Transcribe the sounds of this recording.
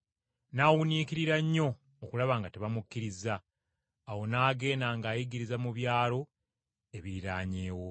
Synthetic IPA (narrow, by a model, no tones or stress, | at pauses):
naːwuniːkiɾiɾaɲːo̞ː | kulaβaːŋɡateβamukːiɾizaː | wo̞naːɡe̞ːnaːŋɡaːjiɡiɾizamuβjaːlo̞ | e̞βiɾiɾaːɲe̞ːwo̞